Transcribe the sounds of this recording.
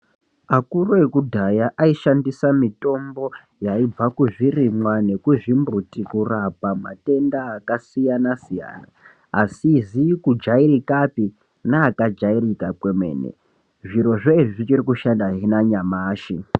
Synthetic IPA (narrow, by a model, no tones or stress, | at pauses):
akuɾoekudʱajaʔaiʃandisamito̞mbo̞ | jaib͡vakuʐirimwane̞kuʐimbutikurapama̰te̞ndaːkasijanasija̰ːna̰ | asizikud͡ʒairikapi | naːkad͡ʒairikakwemwe̞̰ːnḛ | ʐiɾo̞ʐoiʐiʐit͡ʃirikuʃandaɦinaɲamaːʃi